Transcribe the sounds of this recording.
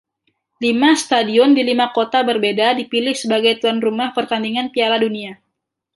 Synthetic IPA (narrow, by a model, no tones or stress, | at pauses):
limast̪adiɔndilimakot̪abərbedadipilɪhsəbaɡajt̪uanrumahpərt̪andiŋanpialadunia